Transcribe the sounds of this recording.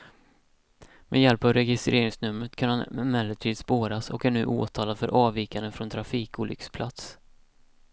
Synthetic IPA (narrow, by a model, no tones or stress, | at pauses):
mʔɛ̰jɛlpɑvɾɛɡɪst̪ɾeːɾɪŋsnɵmːɾət̪kʰanhanmɛmɛləʈ̪ʰiːd̪spoːɾasɔ̰kæɳʉ̟̰ːʔo̰ːt̪ʰɑːlad̪fœ̰ɾʔɑːviːkanəfɾɔnt̪ʰɾafiːkuːlʏ̰kspʰlʔat̪s